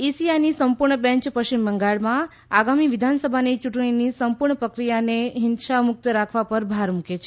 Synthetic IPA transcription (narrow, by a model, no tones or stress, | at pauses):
isiajnisəmpuɾɳəbɛ̃ɲt͡ʃpəʃimbəŋɡaɭmã | aɡamiʋɪd̪ʱansəbʱanit͡ʃuʈɳ̃inisəmpuɾɳəpɾəkɾijaneɦɪnʃamʊk̚t̪ɾakʰʋapəɾbʱaɾmuket͡ʃʰe